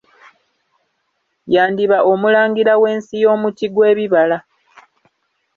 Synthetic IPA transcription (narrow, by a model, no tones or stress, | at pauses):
jaːndiβaʔo̞mulaːŋɡiɾawe̞ːnsijo̞ːmuciɡwe̞ːβiβala